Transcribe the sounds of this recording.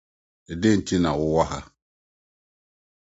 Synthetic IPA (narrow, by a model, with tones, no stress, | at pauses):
de˦˨n˨ti˦na˨wu˦wa˦ɦa˦